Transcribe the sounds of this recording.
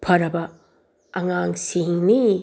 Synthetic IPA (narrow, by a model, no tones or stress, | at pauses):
pʰɐɾɐbɐ | ɐŋaŋsiŋni